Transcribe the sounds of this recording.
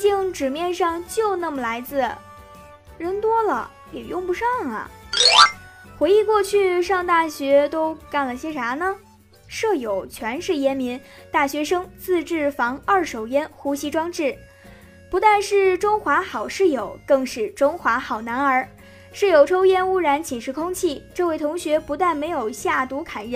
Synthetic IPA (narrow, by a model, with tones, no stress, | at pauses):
t͡ɕi˥˩ŋʈ͡ʂɻ̩˨˩mjɛ˥˧nʂɑ˥˧ŋt͡ɕjo˥˧ʊna˥˩mə˩la˧˥ɪt͡sɹ̩˥˩ | ɻə˧˥nt̪wɔ˥lə̰˨ | jɛ˨˩jʊ˥˩ŋpu˧˥ʂɑ˥˩ŋɐ̰˩ | xwe˧˥ɪi˥˧kwɔ˥˧t͡ɕʰy˥˧ʂɑ˥˧ŋt̪a˥˩ɕɥɛ˧˥t̪o˥ʊka˥˩nlə˩ɕjɛ˥ʈ͡ʂʰa˧˥nə˧ | ʂɤ˥˩jo˨˩ʊt͡ɕʰɥɛ˧˥nʂɻ̩˥˩jɛ˥nmi˧˥nt̪a˥˩ɕɥɛ˧˥ʂɤ˥ŋt͡sɹ̩˥˧ʈ͡ʂɻ̩˥˩fɑ˧˥ŋə˞˥˩ʂo˨˩ʊjɛ˥nxu˧˥ɕi˧˥ʈ͡ʂwɑ˥ŋʈ͡ʂɻ̩˥˩ | pu˧˥t̪a˥˧nʂɻ̩˥˩ʈ͡ʂʊ˥ŋxwa˧˥xɑ˨˩ʊʂɻ̩˥˩jo˨˩˦ʊkɤ˥˧ŋʂɻ̩˥˩ʈ͡ʂʊ˥ŋxwa˧˥xɑ˨˩ʊna˧˥nə˞˧˥ | ʂɻ̩˥˩jo˨˩ʊʈ͡ʂʰo˥ʊjɛ˥˧nu˥ɻa˧˥nt͡ɕʰi˨˩nʂɻ̩˥˩kʰʊ˥ŋt͡ɕʰi˥˩ʈ͡ʂɤ˥˧we˥˩ɪt̪ʰʊ˧˥ŋɕɥɛ˧˥pu˧˥t̪a˥˩nme˧˥ɪjo˨˩ʊɕja˥˩t̪u˧˥kʰa˨˩nɻə˧˥